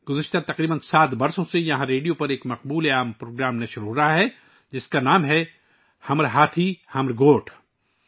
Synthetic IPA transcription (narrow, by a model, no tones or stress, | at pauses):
ɡʊzəʃt̪at̪ɐqɾiːbənsaːt̪bɐɾsõsejɐɦãɾeːɖijopɐɾeːkmɐqbuːleaːmpɾoːɡɾaːmnɐ̃ʃʊɾuɦɾɐɦaɦɛ | d͡ʒɪskanaːmɦɛ | hɐmɾɦaːt̪ʰihɐmɾɡoːʈʰ